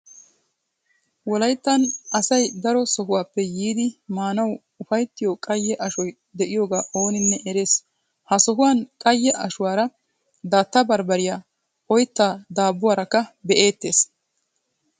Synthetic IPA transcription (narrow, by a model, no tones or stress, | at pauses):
wɔlɐjt̪ːɐnɐsɐjd̪ɐɾɔsɔɦʊwaːpːɛjiːd̪ɪmaːnɐw | ʊfɐjt̪ːɪjokʼɐjːɛʔɐʃɔj | d̪ɛʔɪjoːɡaːʔo̞ːnɪnːɛʔɛɾeːs | hɐsɔɦʊwaːnkʼɐjːɛʔɐʃʊwaːɾɐ | d̪aːt̪ːɐbɐɾbɐɾɪjaː | ɔjt̪ːaːd̪aːbːʊwaːɾɐkːɐbɛʔe̞ːt̪ːe̞ːs